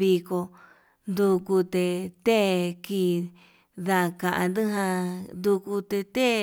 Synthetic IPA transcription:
βi˧ko˧ | nd̪u˧ku˧t̪e˧t̪e˦ki˧˨ | ða˧˨˧kã˨ʔã̰˧nd̪ɨ˦ɦã˧nd̪u˧ku˧t̪e˧t̪e˦

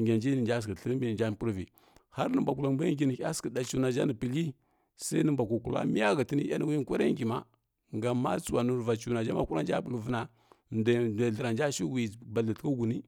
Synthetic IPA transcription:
ɡʲa˨nd͡ʒi˦ni˨nd͡ʒa˦s̬kə˨ɬə˦ɾmbi˦˨d͡ʒa˦n˨pu˦ɾvḭ˨ | ha˦ɾnə˦mba˨ku˨la˨ba˦i˨ni˨˦a˦skə˨da˨t͡ʃu˨na˨d͡ʒa˦nə˨pi˨li˦ | sa˦i˦nə˦mba˨ku˨ku˨la̰˦mi˦ja˦ɣa˨ti˦ni˦a˦ni˦wi˦kʷa˦ɾa˦ŋɡi˨ma˦ | ŋɡa˨mːa˦t͡su˨wa˨nu˨ɾva˨t͡ʃu˨na˨d͡ʒa˦ma˨ku˦ɾa˦nd͡ʒa˦bə˨lvə˦na˨ | da˨da˨ɮə˨ɾa˨nd͡ʒa˦ʃi˦wi˨ba˨ɮə˨tka˦ɡu˨ni˦

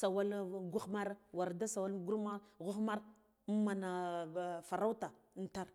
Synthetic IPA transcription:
sa˨wa˦lɡu˦xma˦ɾwa˨ɾda˦sa˨wa˦lɡu˦ɾma˦ɣu˦xma˦ɾ | ma˨na˨fa˨ɾa˦wta˨˦ | n̩˨ta˦ɾ

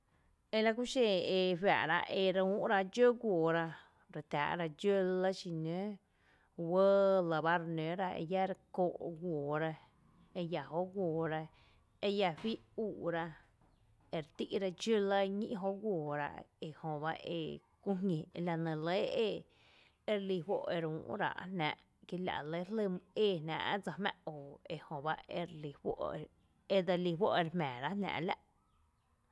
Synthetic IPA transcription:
e˧la˧ku˦ʃẽ˧˨e˧ɸja̰˨ʔɾa̰˧ʔe˧ɾũː˦ʔɾa˧d͡ʒo˦ɡʷoː˨ɾa˧ | ɾe˨t̪ʲa̰ː˨ʔɾa˧d͡ʒə˦lə˦ʃi˧˨nẽ˦ | wə˦lə˨ba˦ɾe˧nẽ˨˦ɾa˧ḛ˧ja˦ɾe˧koː˧˨ʔɡʷoː˨ɾa˧ | e˧ja˨ho˦ʔɡʷoː˨ɾa˧ | e˧ja˧ɸi˦ʔuː˨ʔɾa˧ | e˧ɾe˨t̪i˦ʔɾa˧t͡ʃu˦lə˦ɲḭ̃˦ʔɦo˦ʔɡʷoː˨ɾa̰˧ʔe˧˨hõ˧ba˦ʔḛ˧kũ˦ɦŋĩ˨˧la˧nə̃˨lə˦e˦˧ | e˧ɾli˧˨ɸwo̰˦˧ʔe˧ɾũː˨˦ʔɾa̰˧˨ʔnã̰˧˨ʔ | ke˧la̰˨ʔlə˦lə˧˨mɨ̃˧eː˦˨nã̰ː˧˨ʔd͡za˧hmã̰˧ʔoː˨e˧hõ˨ba˦e˧ɾli˧hwʷo̰˦ʔe˨ | e˦d̪a˧li˧ɸwo̰˦ʔe˧ɾhmɛ̃ː˨ɾa˦nã̰ː˧˨ʔla̰˦ʔ

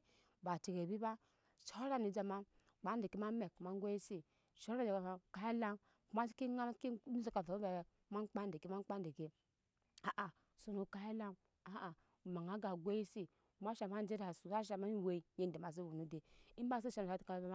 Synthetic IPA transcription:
ba˨ti˨ɡe˨bi˦ba˦ | ʃo˦ɾa˦ni˨d͡ʒa˨ma˦ | k͡pa˨˦n˦de˨ki˦ma˦me˨kma˦ŋ˦ɡʷe˦ji˦si˦ | ʃo˦ɾa˦˨d͡ʒe˨a˨a˨ka˦i˦la˦m | ku˦ma˦ski˦ŋa˦m˦ki˦nu˦se˦ka˨fo˨o˦be˨˦ma˦nk͡pa˦nde˨ki˦ma˦n˦k͡pa˦n˦de˨ke˦ | a˨ʔa˨ | so˨nu˨ka˦i˦la˦m | a˨a˨ | ma˨ŋa˦ɡa˨ɡʷe˦ji˦si˦ | ku˦ma˦ʃa˨ma˦n˦d͡ʒe˦ɾa˨su˨sa˦ʃ̬a˨ma˦n˦we˦˨i˨je˦n˨de˨ma˨s̬i˦wu˨nu˦de˨i˦m˦ba˦s̬i˦ʃa˦na˨a˦tka˨˦ba˦

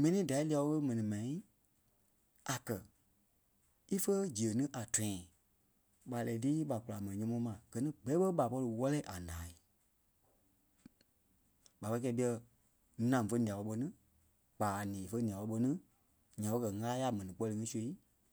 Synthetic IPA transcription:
mɛ̃˧nĩː˨˦da˨i˦li˧a˧wɔ˧˦kə˦mɛ̃˨nĩ˨mɛã˨ĩ˦ | a˨kɜ˨ | i˦fə˦d͡ʒi˨ə˨nɨ̃˦ʔa˨tʰɛ̃˨ɛ̃˨ | ɓa˨lɛ˨˦tiː˦ɓa˨ku˨la˨mɛ̃˨ĩ˨ɲɔ̃˧˦mɔ̃˦mã˨ɡ̥ɜ˨nĩ˦ɡ͡bɛ˨˦ɓə˦ɓa˨pɔ˧lɨ˧wɔ˦lɛ˦ʔa˨nãː˨˦i˨ | ɓa˨pɔ˧˦˧kɛ˧ɓi˦˧ɛ˧˦ | nã˨fə˧˦nĩ˨ã˨ɔ˧ɓə˧nɨ̃˦ | k͡paː˨nĩː˨fə˧˦nĩ˨ã˨ɔ˧˦ɓə˧˦nɨ̃˦ | ɲã˨ɓɔ˧kɜ˨ŋaː˦ja˦˨mɛ̃˨nĩ˨k͡pɔ˧lɨ˧ŋĩ˦su˦e˨˦

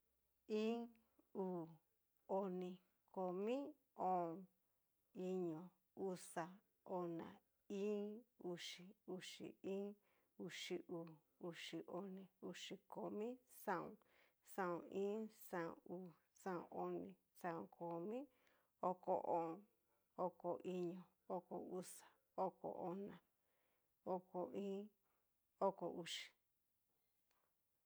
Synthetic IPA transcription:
ĩ˦ | uː˨ | o˧nĩ˧ | ko˨mĩ˦ | õ˦˨ | i˧ɲõ˨ | u˦sa˧ | o˧˨nã̰˨ | ĩ˦u˧ʂi˨u˧ʂḭ˨ĩ˦ | u˧ʂi˧ʔuː˨ | u˧ʂi˨˧ʔo˧nĩ˧u˧ʂi˧ko˧˨mĩ˦sã˦˧ṵ̃˧ | sã˧˨õ˧˨ĩː˦sã˦˧õ̰˧˨uː˨ | sã˦˧õ̰˧˨o˧nĩ˧ | sã˦˧õ˧kʰo˨mĩ˦ | o˦ko̰˧ʔo˨ | o˧ko˨ʔi˧ɲõ˨ | o˧ko˧˨u˦sḁ˨ | o˦ko̰˧˨ʔo˧nã˨ | o˧ko˧ĩː˦ | o˦ko˧˨u˧ʂi̥˨

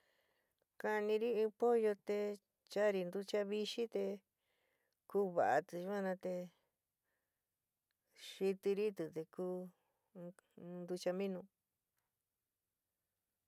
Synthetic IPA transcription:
ka˧nĩ˧ɾi˦ĩ˧po˦jo˧t̪e˧ | t͡ʃa˦ɾi˧nd̪u˧t͡ʃa˧βi˧ʃi˦t̪e˧ | kuː˦βa̰˨ʔa̰˧t̪u˧ʃu˧˦ã˦˧nã˧t̪e˧ | ʃi˧t̪i˧ɾi˦t̪ɨ˨t̪e˧kuː˦ | nd̪u˧t͡ʃa˧mĩ˦nũ˧

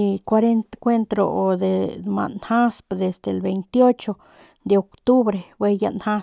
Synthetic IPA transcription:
i˧kwa˧ɾe˦nt̪kʷe˦nt̪ɾo̰˨o˨d̪e˨ma̰˨nha˦spd̪e˨sd̪elbe˨jnt̪jo˦t͡ʃo˧ | d̪e˨o˨kt̪u˦bɾe˨bwe˦ja̰˦nha˦

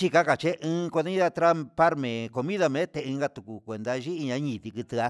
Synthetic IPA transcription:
t͡ʃi˦ka˦ka˨t͡ʃe˦ʔɨ̃ː˦˧kʷe˧d̪ɲĩ˦ða˧t̪ɾa˦pa˦ɾmẽ˨ko˧mĩ˦ða˧mẽ˨˦t̪e˧ɨ̃ː˧ŋɡa˧t̪u˨ku˨kʷe˨nd̪a˧ʒi˦i˧ɲã˧˦ɲĩ˨t̪i˧kɨ˧t̪ɨ˧a˧

